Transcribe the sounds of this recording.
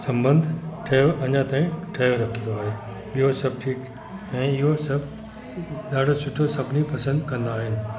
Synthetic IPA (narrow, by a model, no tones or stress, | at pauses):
sɐ̃mbə̃nd̪ʱʈʰɐjoʔɐɲãt̪ãːĩʈʰɐjoɾɐkʰĩnd̪oaːɦeː | ɓijɦosɐb̚ʈʰiːk | ɛ̃ːɪɦosɐb | ɗaːɖʱosʊʈʰosɐbʱnipɐsə̃nd̪kɐ̃nd̪aːɦɪnɪ̆